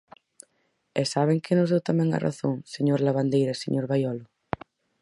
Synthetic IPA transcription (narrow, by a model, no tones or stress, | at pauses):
ɛsaβ̞eŋkɪnʊzðewt̪amɛ̃ŋa̰ra̰θoŋseɲoɾlaβand̪ejɾɐseɲoɾβajɔlʊ